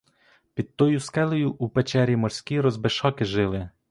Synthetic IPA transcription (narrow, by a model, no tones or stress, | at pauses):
pʲid̪̚t̪ɔjuskɛlˠɔjʊʔupet͡ʃɛɾʲimɔrsʲkʲiɾɔzbeʃɔkɪʒɪlˠɪ